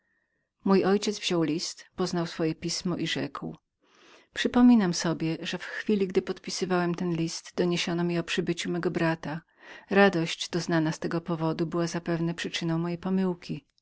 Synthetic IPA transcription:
mujʔɔjt͡ɕɛd̪zvʑ̥ɔwlʲist̪pɔznawsfɔjɛpʲismɔʔiʐɛ̰kw | pʂɘpɔmʲinamsɔbʲjɛʐɛfxfʲilʲiɡd̪ɘpɔt̪pʲisɘvawɛmt̪ɛnlʲist̪d̪ɔɲeɕɔnɔmʲiɔpʂɘbɘt͡ɕumɛɡɔbɾat̪a | ɾad̪ɔɕd͡ʑd̪̥ɔznanast̪ɛɡɔpɔvɔd̪ubɘwazapɛvnɛpʂɘt͡ʂɘnɔ̃w̃mɔjejpɔmɘwkʲi

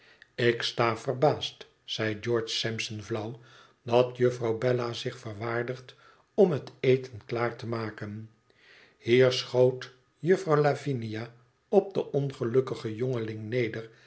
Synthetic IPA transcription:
ɪkstaːvərbaːst | sɛjd͡ʒɔɹt͡ʃsɛmsənvlʌw | dɑtjɵfrɑwbɛlazɪχfərʋaːɹdəχt | ɔmɦətejtənklaːɹtəmaːkən | hiːɹsχowt | jɵfrɑwlavinija | ɔb̚dəʔɔnχəlɵkəχəjɔŋəlɪŋnejdər

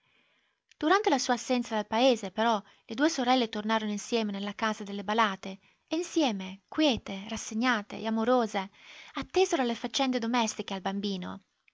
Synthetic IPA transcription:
d̪̥uɾant̪elasuːaːsːɛnt̪sad̪elpaeːzepeɾɔ | led̪uːesoɾɛlːet̪ornaːɾonoinsjɛːmenelːakaːzad̪elːebalaːt̪eː | insjɛːmekwjɛːt̪erasːeɲːaːt̪ḛʔeamoɾoːzeat̪ːeːzeɾoalːefat͡ʃːɛnd̪ed̪omɛst̪ikealbambiːno̰

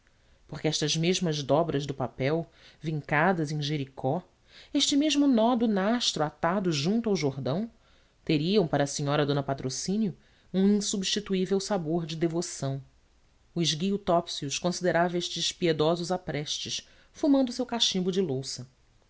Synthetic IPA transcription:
poχkɪɛʃt̪ɐzmeʒmɐzd̪ɔbɾɐzd̪ʊpapɛw | vĩŋkad̪ɐzẽj̃ʒeɾikʰɔ | eʃt͡ʃɪmeʒmʊnɔd̪ʊnaʃt̪ɾʊat̪ad̪ʊʒũnt̪uawʒoɦd̪ɐ̃w̃ | t̪eɾiɐ̃w̃paɾɐːsĩɲɔɾɐd̪õnɐpat̪ɾosĩnjʊ | ũĩsubʃt͡ʃit̪uivewsaboɾd͡ʒɪd̪evosɐ̃w̃ | ʊzɡiut̪ɔpsiuʃkõsid̪eɾavɐeʃt͡ʃɪʃpied̪ɔzʊzapɾɛʃt͡ʃɪʃ | fumɐ̃nd̪ʊsewkaʃĩmbʊd͡ʒɪlowsɐ

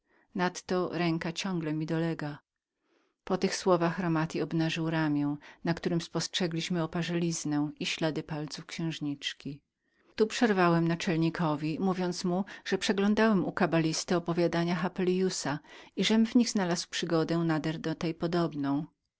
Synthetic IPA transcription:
nat̪ːɔɾɛŋkat͡ɕɔ̃ŋɡlɛmʲid̪ɔlɛɡa | pɔt̪ɘxswɔvaxɾɔmat̪ʲiɔbnaʐɘwɾamʲjɛw̃nakt̪uɾɘmspɔstʂɛɡlʲiɕmɘɔpaʐɛlʲiznɛw̃iɕlad̪ɘpalt̪sufkɕɛ̃w̃ʐɲit͡ʂkʲi | t̪upʂɛɾvawɛmnat͡ʂɛlɲikʰɔvʲimuvʲjɔnt̪smuʐ̥ɛpʂɛɡlɔ̃nd̪awɛmukabalʲist̪ɘɔpɔvʲjad̪aɲaxapɛljusaiʐɛmvɲiɣznalaswpʂɘɡɔd̪ɛw̃nad̪ɛɾd̪ɔt̪ɛjpɔd̪ɔbnɔ̃w̃

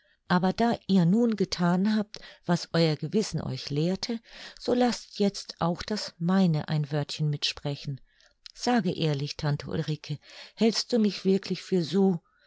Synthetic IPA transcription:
ʔaːbɐdaːʔiːɐnuːnɡətʰaːnɦaːp̚tv̥asʔɔʏɐɡəvɪsn̩ʔɔ̰ʏçleːɐtʰəz̥oːlastjɛt͡stʔaʊxd̥asmaɪnəʔa̰ɪnvœɐtçənmɪtʃpʁ̥ɛçn̩ | z̥aːɡəʔeːɐlɪçtʰantʰəʔṵlʁiːkʰəhɛlst̚d̥uːmɪçv̥ɪɐkʰlɪçfyːɐzoː

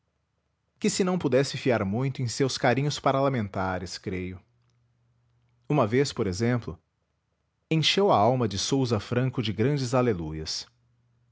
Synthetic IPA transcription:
kɪsɪnɐ̃w̃pud̪ɛsɪfiaɾmũj̃t̪ʊẽj̃sewskaɾĩɲʊspaɾɐlamẽnt̪aɾɪskɾejʊ | ũmɐvespoɾezẽmplʊ | ẽj̃ʃewɐawmɐd͡ʒɪsowzɐfɾɐ̃ŋkʊd͡ʒɪɡɾɐ̃d͡ʒɪzalelujɐs

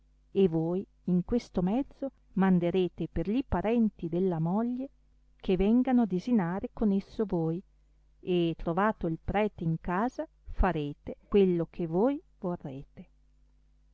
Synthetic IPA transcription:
evoːj | iŋkwest̪omɛd̪zːo | mand̪eɾeːt̪eperʎipaɾɛnt̪id̪elːamoʎːe | kʰevɛŋɡanoad̪ezinaːɾekonesːovoj | et̪ːɾovaːt̪oilpɾɛːt̪eiŋkaːza | faɾeːt̪ekwelːokʰevoj | vorːeːt̪e

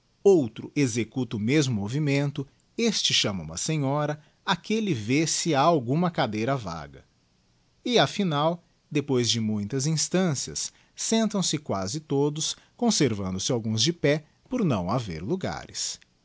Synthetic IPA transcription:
owt̪ɾʊʔezekut̪ɐumezmʊmovimẽnt̪ʊ | est͡ʃɪʃɐ̃mɐṵ̃mɐsẽɲɔɾɐ | akelɪvesɪaawɡũmɐkad̪ejɾɐva̰ɡɐ | ɪafinaw | d̪epojzd͡ʒɪmũj̃t̪ɐzĩst̪ɐ̃siɐ̰sː | ẽnt̪ɐ̃w̃sɪkwazɪt̪od̪ʊs | kõseɾvɐ̰̃nd̪ʊsɪawɡũzd͡ʒɪpɛ | poɾnɐ̰̃w̃avḛɾluɡa̰ɾɪs

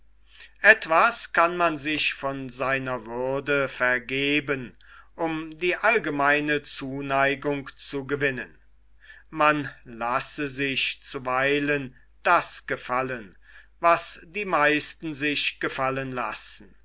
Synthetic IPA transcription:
ʔɛtv̥askanmanzɪʃfɔnzaɪnɐvʏɐdəfɛɐɡeːbən | ʔʊmdiːʔalɡəmaɪnət͡suːnaɪɡʊŋkt͡suɡəvɪnən | manlasəzɪçt͡suvaɪlən | d̥asɡ̥əfalən | vasd̥iːmaɪstn̩zɪʃɡ̥əfalənla̰sn̩

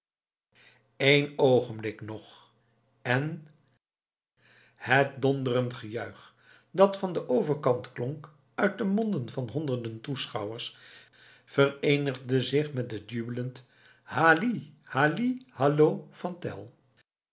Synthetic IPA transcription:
ejnowχənblɪknɔχ | ɛn | hət̚dɔndərəntχəjœɥχ | dɑtfɑndəʔowvəɹkɑntklɔŋk | œɥt̚dəmɔndənvɑnɦɔndəɹdəntusχɑwəɹs | fərejnəʁdəzɪχmɛt̚dədybələnt | haːlihalihɑloːfɑntɛ̰lˠ

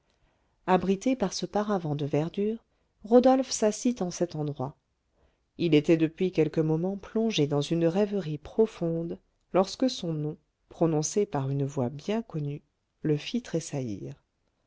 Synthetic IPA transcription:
abʁit̪epaʁsəpaʁavɑ̃d̪əvɛʁd̪yːʁ | ʁɔd̪ɔlfsasit̪ɑ̃sɛt̪ɑ̃d̪ʁwa | ilet̪ɛd̪əpɥikʲɛlkəmɔmɑ̃plɔ̃ʒed̪ɑ̃zynʁɛvəʁipχɔfɔ̃d̪ | lɔʁskəsɔ̃nɔ̃ | pχɔnɔ̃sepaʁynvwabjɛ̃kɔny | ləfit̪χesaḭʁ

